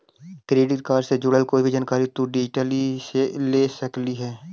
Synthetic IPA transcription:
kɾeːɖɪʈkaːɾsed͡ʒʊɽəlkoːibʱid͡ʒaːnkaːɾit̪uɖɪd͡ʒʈəliseleːsəkliɦɛː

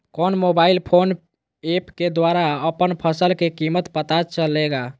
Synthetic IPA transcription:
kɔnmobailpʰon | epked̪waɾaəpənpʰəsəlkekimət̪pət̪at͡ʃəleɡa

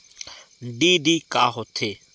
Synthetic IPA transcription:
ɖiːɖiːkaːɦot̪ʰeː

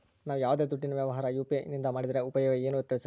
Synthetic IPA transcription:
naːʋujaːʋd̪e̞ːd̪uʈːinɐʋjɐʋɐɦaːɾɐjuːpinind̪ɐmaːɽid̪ɾe̞upɐjɐʋeeːnut̪ːjɐʋsɐ

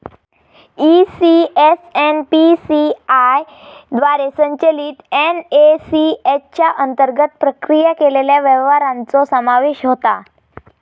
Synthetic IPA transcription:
isiesenpisiaj | d̪ʋaɾesəɲt͡ɕəliːt̪enesiet͡ɕjaʔənt̪əɾɡət̪̚pɾəkɾijəkeleljaʋɛʋʋaɾãnt͡sɔsəmaʋeɕɦot̪a

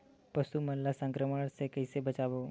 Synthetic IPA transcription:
pəsumənlːasə̃ŋkɾəməɽ̃sekəɪsebət͡ʃaːʋo

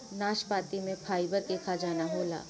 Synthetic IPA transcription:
naːʃpaːt̪imẽpʰaːjbət̪̚eːkʰad͡ʒaːnaɦoːla̰ː

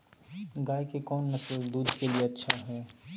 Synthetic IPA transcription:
ɡaːikekɔːnːɐsəld̪uːd̪kelieɐtːʃʰaɦɛː

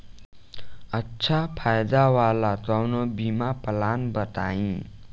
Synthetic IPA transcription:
ʌtːt͡sʰapʰajd̪awalat̪awnobimapəlanbʌt̪a̰ĩ

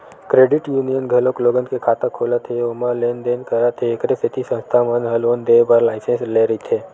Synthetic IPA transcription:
kɾeːɖɪʈjuːnijənɡʱəlokloːɡənkekʰaːt̪ə̃kʰoːlat̪ʰeomalend̪enkəɾat̪ʰeːkɾesət̪ʰisə̃nst̪ʰamənɦəlond̪eːbaɾlaːɪsẽnsleɾit̪ʰe

